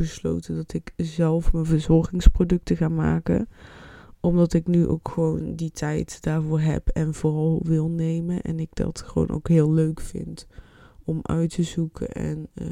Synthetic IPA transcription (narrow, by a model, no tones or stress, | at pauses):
bəslo̰wtədɑtɪkzɛlˠfmənvəɹzɔɹɣɪŋsprodɵk̚təɣaːnma̰ːkə̰n | ʔɔmdɑtɪknyʔo̰wkχəʋownditʰɛjtd̥aːɹvʊːɹɦɛ̰pʰɛnvʊːrɑlˠʋɪlˠnejmənʔɛ̰nɪɡ̚dɑ̰tχəʋo̰wnʔo̰wkɦɪːlˠløɥkfɪ̰nt | ɔmʔœ̰ɥtəzukʰə̰nʔɛ̰n